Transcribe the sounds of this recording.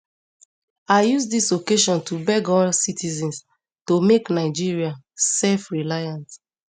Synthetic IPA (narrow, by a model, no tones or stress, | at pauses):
aɪjusdisokeʃɔ̃ntubɛɡɔlsitizɛ̃ns | tomeknaɪd͡ʒiɹia | sɛlfɹilajãnt